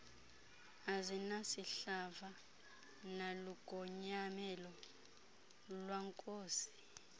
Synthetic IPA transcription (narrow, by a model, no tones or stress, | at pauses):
azinasiɬava | naluɡ̥ʱɔɲamɛlɔ | lwaŋkʼoːsi̥